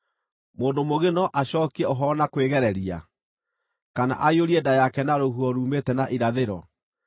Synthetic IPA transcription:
moːndomoɣenɔʔaɕɔːkɛoɦɔnakweɣɛɾɛɾia̰ | kana̰ʔaioɾiɛdajakɛnaɾohuɔɾuːmetɛnaʔiɾaðeɾɔ

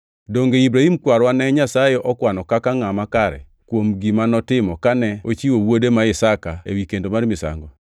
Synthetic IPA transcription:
doŋɡeibɾahimkwaɾwanɛɲasajɛʔɔkwanɔkakaŋamakaɾɛ̰ | kwomɡimanɔtɪmɔkanɛot͡ʃiwowodemaɪsakaḛwikendomaɾmɪsa̰ŋɡɔ

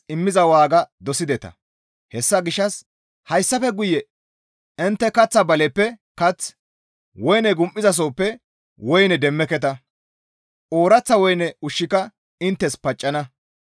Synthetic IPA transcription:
ʔɪmːɪzɐwaːɡɐd̪ɔsɪd̪ɛt̪ɐ̰ | hɛsːɐɡɪʃːɐs | hɐjsːɐfɛɡʊjːɛ | ɪnt̪ːɛkɐt͡sːɐbɐlɛpːɛkɐt͡s | wɔjnɛɡʊmʔʼɪzɐs̬oːpːɛ | wɔjnɛd̪ɛmːɛkɛt̪̬ɐ | ʔoːɾɐt͡sːɐwɔjnɛʊʃːɪkɐ | ɪnt̪ːɛspɐt͡ʃʼːɐnɐ

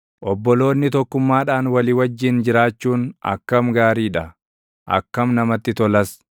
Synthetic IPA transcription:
ʔɔbːɔlo̞ːnːɪt̪ɔkːʊmːaːᶑaːnwɐlɪwɐd͡ʒːɪnd͡ʒɪɾaːt͡ʃːuːnɐ̰kːɐmɡaːɾiːᶑɐ | ʔɐ̰kːɐmnɐmɐt̪ːɪt̪ɔlɐs

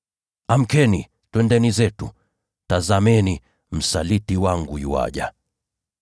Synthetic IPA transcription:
am̩kɛni | twɛndɛnizɛtu | tazamɛni | m̩salitiwaŋɡujuwa̰ʄa̰

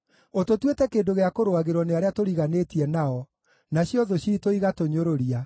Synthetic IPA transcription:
ototwetɛkeːndoɣeakoɾowaɣeɾwɔneaɾeatoɾiɣanetiɛnaɔ | naɕjɔðoɕiːtoiɣatoɲoɾoɾia

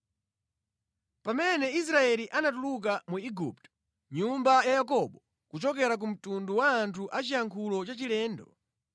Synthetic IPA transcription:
pamɛnɛis̬ɾaɛliʔanatuluk̬amuiɡuptɔ̥ | ɲumbajajakɔɓɔ | kut͡ʃɔk̬ɛɾak̬um̩tunduwaːntʰuʔat͡ʃijaŋkʰulɔt͡ʃat͡ʃilɛːndɔ

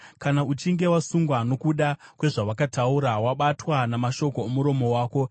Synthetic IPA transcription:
kanaut͡ʃiŋɡe̞wasuŋɡwano̞kuɗakwe̞ʐawakatauɾawaɓatwanamaʃo̞ko̞emuɾo̞mo̞waːko̞

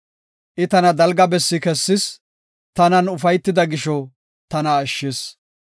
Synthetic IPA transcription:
ʔɪt̪ɐnɐd̪ɐlɡɐbɛsːɪkɛsːɪs | t̪ɐnɐnʊfɐjt̪ːɪd̪ɐɡɪʃɔ | t̪ɐnɐːʃːɪs

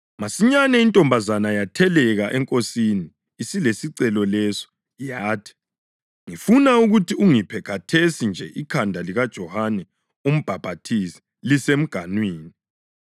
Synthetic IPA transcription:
masiɲanɛintʼɔmbʱazanajatʰɛlɛɣaʔɛŋkʼosiniː | silesiǀɛlɔlɛsɔ̥ | jaːtʰi̥ | ŋifunauɣutʰiuŋipʰɛkʰatʰesind͡ʒʱɛʔikʰandʱaliɣad̥ʒ̥ʱɔhanɛ | om̩b̥ʱab̥ʱatʰisɛ̥ | lisem̩ɡ̥ʱanwiːni

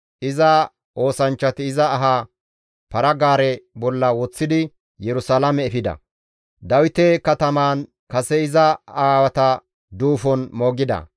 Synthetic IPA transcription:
ʔɪzɐ | ʔo̞ːsɐnt͡ʃːɐt̪ɪɪzɐːɦa | pɐɾɐɡaːɾɛbɔlːɐwɔt͡sːɪd̪ɪ | jɛɾʊsaːlɐmɛːfɪd̪ɐ̰ | d̪ɐwɪt̪ɛkɐt̪ɐmaːn | kɐsɛɪzɐaːwɐt̪ɐ | d̪uːfɔnmoːɡɪd̪ɐ̰

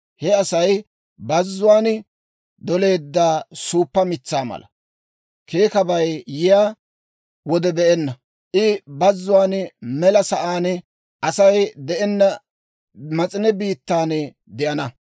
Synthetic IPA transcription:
hɛɐsɐj | bɐzːʊwaːn | d̪ɔle̞ːd̪ːaːsuːpːɐmɪt͡sːaːmɐ̰lʔɐ̰ | kʰe̞ːkɐbɐjjɪjaː | wɔd̪ɛbɛʔɛnːɐ | ʔɪbɐzːʊwaːnmɛlɐsɐʔaːn | ʔɐsɐjd̪ɛʔɛnːɐ | mɐt͡sʼɪnɛbiːt̪ːaːn | d̪ɛʔɐnɐ

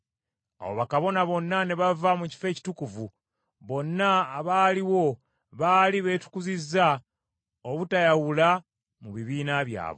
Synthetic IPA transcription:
a̰wo̰βakaβo̞naβo̞nːane̞βavamuci̥fe̞ːci̥tukuvu | βo̞nːaːβaːliwo̞ | βaːliβe̞ːtu̥kuzizːa | oβutajawula | muβiβiːnaβja̰ːβo̰

